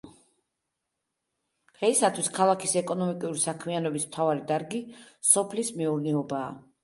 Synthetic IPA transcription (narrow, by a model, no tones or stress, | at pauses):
ʁɛisat̪ʰwiskʰalˠakʰisɛkʼɔnɔmikʼuɾisakʰmianɔbismt̪ʰavaɾid̪aɾɡisɔpʰlismɛuɾnɛɔbaː